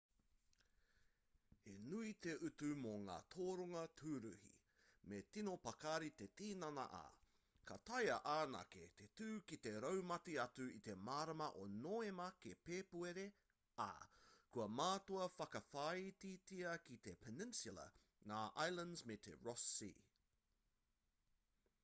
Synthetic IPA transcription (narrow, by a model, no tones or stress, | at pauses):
enuit̪e̞ʔʉt̪umoŋa̰ːt̪ʰoːɾoŋɐtʰuːɾuhḭ | met̪inopɐkaɾit̪e̞t̪iːnɐnɐ̰ʔa̰ː | kɐ̰t̪ɐjɐʔaːnɐ̰kḛt̪etʉːkit̪e̞ɾɐwmɐtiɐtuit̪e̞maːɾɐmɐʔonoːemɐkepeːpueɾe | a̰kuɐmaːt̪oɐfɐkɐfait̪itiɐkit̪e̞pʰenɪnsulɐ̰ | ŋaːʔajlɐ̃ndzmet̪ʰḛɹɔsḭː